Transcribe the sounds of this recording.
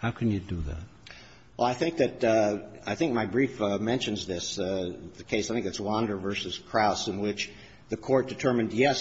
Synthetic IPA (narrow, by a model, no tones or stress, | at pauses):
haʊkʰɨ̃njɨdɨðæ̰t̚ | wʔɛ̰lˠaɪθɪ̃ŋk̚ðɨɾaɪθɪ̃ŋk̚maɪbɹifmɛ̃nʃɨ̃nzðɪsðɨkʰeɪsaɪθɪ̃k̚ðɨtswɑ̃ndə˞vɜ˞sɨz̥kʰɹ̥aʊsɨ̃nwɪt͡ʃ | ðɨkʰɔɹt̚d̥ɨtʰɜ˞mɨ̃ndjɛs